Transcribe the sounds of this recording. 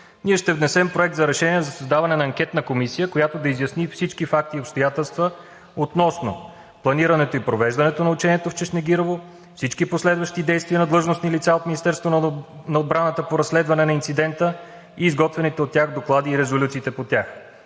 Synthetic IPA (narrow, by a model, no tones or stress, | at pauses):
niɛʃt̪ɛvnɛsɛmpɾoɛk̚t̪zɐɾɛʃɛniɛzɐsɐzd̪avɐnɛnɐɐŋkʲɛt̪nəkomisijəkojat̪od̪ɐizʲjɐsnifsit͡ʃkifak̚t̪iopst̪ojat̪ɛlˠst̪və | ot̪nɔsno̰ | plˠɐniɾɐnɛt̪oipɾovɛʒd̪ɐnɛt̪onɐut͡ʃɛniɛt̪oft͡ʃɛʃnɛɡʲiɾovo | fsit͡ʃkiposlɛd̪vəʃt̪id̪ɛjst̪viənɐd̪lˠɤʒnosnilit̪saot̪minist̪ɛɾst̪vo | nɐod̪bɾanət̪əpoɾɐsːlɛd̪vɐnɛnɐint̪sid̪ɛnt̪ə | iːzɡɔt̪vɛnit̪ɛot̪ːʲjaɣd̪oklˠad̪iːɾɛzolʲut̪siːt̪ɛpot̪ʲax